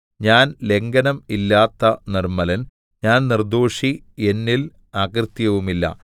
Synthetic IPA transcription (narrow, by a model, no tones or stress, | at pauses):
ɲaːnle̞ŋɡɐnɐmilːaːt̪ːɐnirmɐlɐn | ɲaːnnird̪oːʂi | e̞nːil | aːkrt̪jɐʋumilːɐ̰